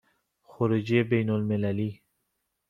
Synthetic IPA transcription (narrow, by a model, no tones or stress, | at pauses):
xɔɾud͡ʒiebejnolmɪlali